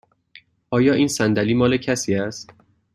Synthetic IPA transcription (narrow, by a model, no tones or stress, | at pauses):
ʔɒːjɒːʔiːnsænd̪æliːmɒːlecʰæsiːæst̪